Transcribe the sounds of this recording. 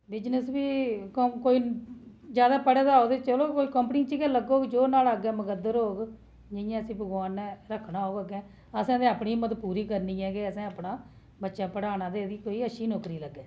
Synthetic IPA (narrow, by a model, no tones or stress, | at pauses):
bɪd͡ʒnəsʋiːkoːiːd͡ʒjaːd̪aːpəɽeːd̪aːoːd̪eːt͡ʃəloːkoːikəmpniːt͡ʃiɡɛ̃ləɡoːɡd͡ʒoːnaːlaɡɛ̃ːməkəd̪ːəɾɦoːɡ | d͡ʒɪjãːəsĩːbəɡwaːnːɛːɾəkʰːnaːoːɡəɡɛ̃ː | əsãːd̪ẽːaːpɳiːmət̪puːɾiːkəɾniːɛ̃ːɡeːəsɛ̃ːaːpnaː | bətːʃaːpəɽaːnãːd̪eːd̪iːkoːiːəʃiːnɔːkɾiːləɡːɛː